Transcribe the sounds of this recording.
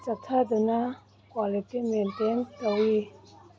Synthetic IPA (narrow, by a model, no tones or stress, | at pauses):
t͡sak̚t̪ʰad̪əna | kwalitiment̪ent̪əwi